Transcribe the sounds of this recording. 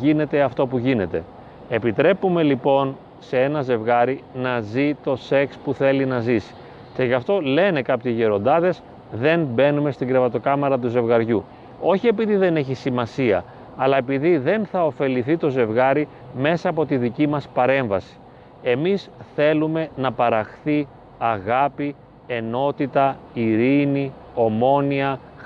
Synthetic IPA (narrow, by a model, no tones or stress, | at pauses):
ʝine̞t̪e̞ɐft̪o̞puʝine̞t̪e̞ | e̞pit̪ɾe̞pume̞lipo̞n | se̞e̞nɐze̞vɣɐɾinɐzit̪o̞se̞kspuθe̞linɐzisi̥ | ce̞ʝɐft̪o̞le̞ne̞kɐpçeʝeɾo̞nd̪ɐðe̞s | ðe̞nbe̞nume̞st̪iŋɡɾe̞vɐt̪o̞kɐmeɾɐt̪̬uze̞vɣɐɾʝu | o̞çie̞piðiðe̞ne̞çisimɐsiɐ̰ː | lɐepiðiðe̞nθɐo̞fe̞liθit̪o̞ze̞vɣɐɾi | me̞sɐːpo̞t̪iðicimɐspɐɾe̞ɱvɐsi̥ | e̞misθe̞lume̞nɐpɐɾɐxθi | ɐɣɐpi | e̞no̞t̪it̪ɐiɾini | o̞mo̞niɐ